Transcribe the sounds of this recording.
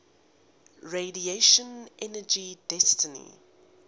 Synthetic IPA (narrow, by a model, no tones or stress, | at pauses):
ɹedieʃə̃nʔɛnəd͡ʒidɛstənḭ